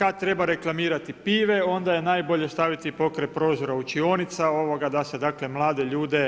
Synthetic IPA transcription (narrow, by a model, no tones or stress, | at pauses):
kad̪̚t̪ɾe̞baɾe̞klˠamiːɾat̪ipiːʋe̞o̞nd̪aje̞naːjbo̞ʎe̞st̪aʋit̪ipo̞kɾepɾo̞ːzoɾaut͡ʃioːnit̪sao̞ʋo̞ɡad̪ase̞d̪aːkle̞mlˠaːd̪e̞ʎuːd̪e̞